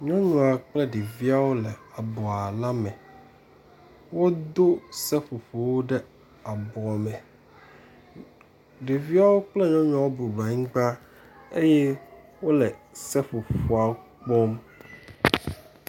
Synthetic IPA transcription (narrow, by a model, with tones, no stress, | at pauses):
ɲɔ̃˦ɲɔ̃˨a˨k͡plɛ˦ɖe˨vi˦a˦wo˦lɛ˨a˨bɔ˨a˨la˦mɛ̃˨ | wo˦d̪o˦sɛ˦fu˨ɸo˨wo˦ɖɛ˦ | a˨bɔ˨a˨mɛ̃˨ | ɖe˨vi˦a˦wo˦k͡plɛ˦ɲɔ̃˦ɲɔ̃˦˨a˨wo˦bu˨ba˨ŋ̩̃˦ɡ͡ba˦ | e˦jɛ˦ | wo˦lɛ˨sɛ˦ɸu˨ɸo˨a˨wo˦ | k͡pɔ˦m